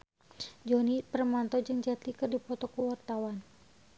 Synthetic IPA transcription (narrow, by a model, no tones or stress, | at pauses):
d͡ʒɔnipərmant̪ɔd͡ʒɨŋd͡ʒat̪ikɨrdipɔt̪ɔkəwart̪awan